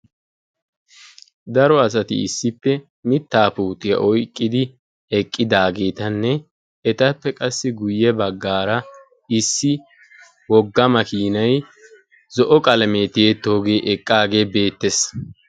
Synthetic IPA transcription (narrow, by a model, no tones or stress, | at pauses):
d̪ɐɾɔɐs̬ɐt̪ɪ̰ɪ̰sːɪpːɛ | mɪt̪ːaːpuːt̪ɪjɐ̰ʔɔjkʼːɪd̪ɪ | ɛkʼːɪd̪aːɡe̞ːt̪ɐnːɛ | ɛt̪ɐpːɛkʼɐsːɪɡʊjːɛbɐɡːaːɾɐ | ɪsːɪ | wɔɡːɐmɐkiːnɐj | zɔʔɔkʼɐlɐmet̪ɪjeːt̪ːo̞ːɡe̞ːʔɛkʼːaːɡe̞ːbe̞ːt̪ːes